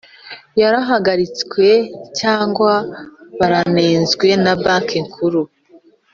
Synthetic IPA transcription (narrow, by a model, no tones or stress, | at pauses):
jaɾaɦaɡaɾit͡skwe̞caːŋɡwaβaɾaneːnzɡwe̞nabaːŋkiŋkʰuɾu